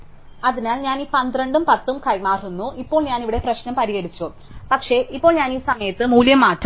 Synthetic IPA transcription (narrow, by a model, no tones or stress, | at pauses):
ɐðinaːlɲaːniːpɐnd̪rɐɳɖumpɐt̪ːumkɐjmaːrunːuʔipːo̞ːɭɲaːniʋiɽe̞prɐɕnɐmpɐɾijeɽit͡ɕːu | pɐkʂe̞ʔipːo̞ːɭɲaːniːsɐmɐjɐt̪ːɨmuːljɐmaːʈːu